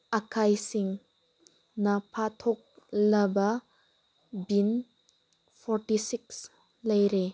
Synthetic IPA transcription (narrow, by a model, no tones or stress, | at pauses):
ɐkʰajsiŋ | nɐpʰatʰɔk̚lɐbɐ | bin | pʰɔɾʈisik̚s | lɐjɾe